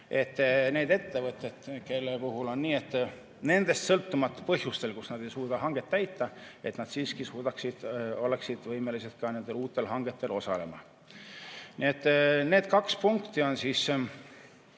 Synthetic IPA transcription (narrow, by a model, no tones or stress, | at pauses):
e̞t̪ːˑne̞ːd̪e̞t̪ːe̞vɤt̪ːˑed̪̥ke̞lːepuɦulo̞nːniːe̞t̪ːˑ | ne̞nd̪̥e̞st̪sɤlt̪ːumɑt̪ːpɤɦjust̪e̞lkusnɑd̪̥e̞jsuːd̪̥ɑɦɑŋɡ̥e̞t̪ːæjt̪ːˑɑe̞t̪nɑd̪̥siːskisuːd̪ɑksid̪̥o̞leksid̪̥vɤjme̞lised̪̚kɑne̞nd̪̥e̞luːt̪ːˑe̞lɦɑŋɡ̥e̞t̪ːe̞lʔo̞sɑ̰le̞̰mɑ̰ | niːe̞t̪ːˑne̞ːd̪̥kɑkspuŋkt̪ˑio̞nsiːs